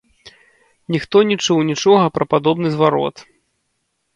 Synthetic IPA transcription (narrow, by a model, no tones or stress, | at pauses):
nʲixt̪ɔnʲit͡ʂuwnʲit͡ʂɔɣɐpɾɐpad̪ɔbnɨzvaɾɔ̰t̪